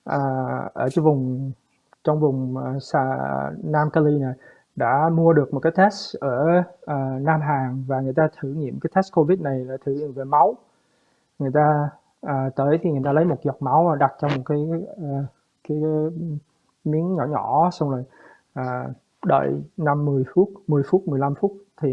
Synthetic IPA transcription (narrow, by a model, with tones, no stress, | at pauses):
ʔəː˨˩ʔəː˧˩t͡ɕa˧vʊ˨˩ŋ͡m | t͡ɕɔ˧wŋ͡mvʊ˨˩ŋ͡msa˧naː˧mka˧li˧na˨˩ | ɗa̰ː˧˥mu˧əɗɨ˨˩ək̚mo˨˩t̚kaː˨˦jt̪ʰɛ˦˥ʔəː˧˩ʔəː˨˩naː˧mɦaː˨˩ŋvaː˨˩ŋɨ˨˩əjt̪aː˧t̪ʰɨ˧˩ɲḭ˧˨əmkaː˨˦jt̪ʰɛ˦˥s̚ko˧vi˦˥t̚na˨˩jlaː˨˧˩t̪ʰɨ˧˩ɲ˧˨˩ve˨˩ma˨˦w | ŋɨ˨˩əjt̪aː˧ | ʔəː˨˩t̪əː˨˦jt̪ʰi˨˩ŋɨ˨˩jt̪aː˧lə˨˦jmo˨˩t̚zɔ˨˩k͡p̚ma˨˦wɗa˨˩t̚t͡ɕɔ˧wŋ͡mmo˨˩t̚kaː˨˦j | kaː˨˦j | mi˨˦ənɲɔ̰˧˩ɲɔ˧˩˦sa˧wŋ͡mloː˨˩j | ʔəː˨˩ | ɗə̰ː˧˨jna˧mːɨ˨˩əjfu˦˥t̚mɨ˨˩əjfu˦˥t̚mɨ˨˩əjla˧mfu˦˥t̚t̪ʰi˨˩